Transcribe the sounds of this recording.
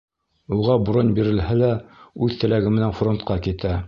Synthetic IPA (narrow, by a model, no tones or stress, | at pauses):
uʁɑbɾonʲbiɾɘ̆lhælæʉðt̪ɘ̆læɡɘmɘ̆nænfront̪̚qɑkit̪æ